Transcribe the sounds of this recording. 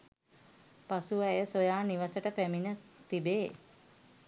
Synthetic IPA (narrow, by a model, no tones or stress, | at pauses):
pasuɛjəsojaːniʋəsəʈəpæminət̪ibeː